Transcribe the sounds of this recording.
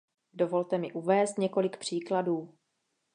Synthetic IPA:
do̞vo̞lt̪ɛmɪʔuvɛːst̪ɲɛko̞lɪkpr̝̥iːkladuː

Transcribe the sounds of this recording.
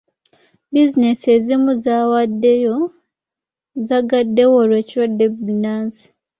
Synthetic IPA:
bizinese̞zimuzawadːejo | zaɡadːe̞woɾwe̞ːciɾwodːebinaːnsi̥

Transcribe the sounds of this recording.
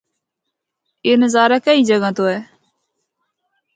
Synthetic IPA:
ɪnzaːɾaːkəiːd͡ʒəɡãːt̪oːɛː

